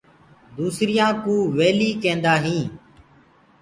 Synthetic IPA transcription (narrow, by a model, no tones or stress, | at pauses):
d̪uːsɾɪjãːkũːʋeːliːkẽːnd̪aːɦĩː